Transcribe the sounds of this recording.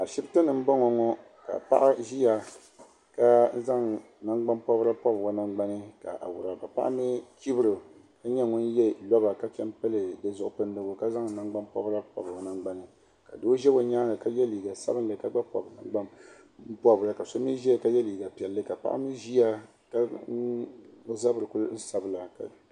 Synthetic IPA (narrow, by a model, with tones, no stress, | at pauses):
a˨ʃi˦btɨ˦nɨ˨m̩˦bɔ˦ŋɔ˨ŋɔ˦ | ka̰˨pa̰˦ʔa˦ʒi˦ja˨ | ka˦n˦za˦ŋ | na˦ŋɡ͡ba˦mpɔ˦bɾa˦pɔ˦bɡɔ˨na˨ŋ͡mɡ͡ba˦nɨ˦ka̰˨ʔa̰˨wʊ˨ɾa˨ba˨pa̰˦ʔa˦mi˦ki˦bɨ˦ɾɨ˨ | ka˦ɲɛ˦ŋʊ˦njɛ˦lɔ˦ba˨ka˦t͡ʃɛ˦mpɨ˦lɨ˨dɨ˦zʊ˨ʔʊ˦˨pɨ˦n˦dɨ˦ɡʊ˨ka˦za˦ŋ˨na˦ŋɡ͡ba˦mpɔ̰˦bɾa˦pɔ̰˦bɡɔ˨na˨ŋ͡mɡ͡ba˦nɨ˨ | ka˨do˦ʒɛ˦bo˨˦ɲaː˦ɡa˨ka˦jɛ˦li˨ɡa˨sa̰˦bɨ˦nlɨ˨˦ka˦ɡ͡ba˦pɔ̰˨bna˨ŋɡ͡ba˦m | m̩˦pɔ˦bɨ˨ɾa˨ka˨so˦mi˦ʒi˦a˦˨ka˦jɛ˦liː˨ɡa˨pi˨ɛ˨lːɨ˦ka˨pa̰˦ʔa̰˦mi˦ʒi˦ja˦ | ka˦ | za˦bɨ˨ɾɨ˨ku˦n̩˦sa˨bɨ˨la˨ka̰˨